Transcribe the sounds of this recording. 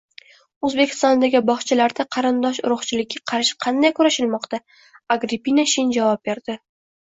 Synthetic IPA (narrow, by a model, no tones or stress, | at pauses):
ɵzbe̞kʲʰɪ̥st̪ɒnd̪aɡʲɪbɒχt͡ʃʰalaɾd̪aqʰɑɾɪnd̪ɒʃ̬ʊɾʊχt͡ʃʰɪlɪkʲʰːaqʰɑɾʃɪ̥qʰɑnd̪ajkʰʊɾaʃɪlmɒqt̪a | aɡɾipinaʃɪnd͡ʒavɒp̚be̞ɾd̪̥ɪ